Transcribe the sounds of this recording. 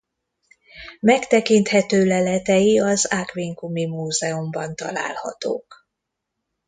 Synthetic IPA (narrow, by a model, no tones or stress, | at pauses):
mɛkt̪ɛkint̪hɛt̪øːlɛlɛt̪ɛjiɒzakʋiŋkumimuːzɛombɒnt̪ɒ̰la̰ːlhɒ̰t̪o̰ːk